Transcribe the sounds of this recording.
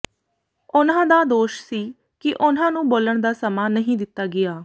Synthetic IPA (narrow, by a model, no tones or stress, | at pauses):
ʊnãːd̪aːd̪oːʃsiː | kɪʔʊnãːnũːboːləɳd̪aːsəmaːnəɦĩːd̪ɪt̪ːaːɡɪjaː